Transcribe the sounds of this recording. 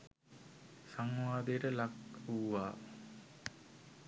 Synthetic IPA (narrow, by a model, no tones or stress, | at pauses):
saŋʋaːd̪ejəʈəlakuʋaː